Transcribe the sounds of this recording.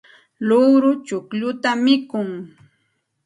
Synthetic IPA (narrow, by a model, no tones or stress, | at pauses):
lʊwɾʊt͡ʃʊkʎʊt̪amɪkʊŋ